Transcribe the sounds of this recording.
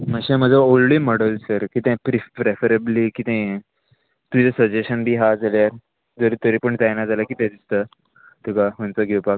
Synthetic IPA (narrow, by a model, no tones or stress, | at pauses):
məɕẽməd͡zʱəolɖiməɽəlsəɾkiːt̪ɛ̃pɾipɾefəɾəbliːkit̪ẽ | t̪uit͡səsəd͡ʑeɕənbʱiːɦad͡zʱaljaɾ | d͡zəɾit̪əɾipəɳt̪ajnad͡zaləkiːt̪ãd̪ist̪ə | t̪ukaɦənt͡səɡʱewpak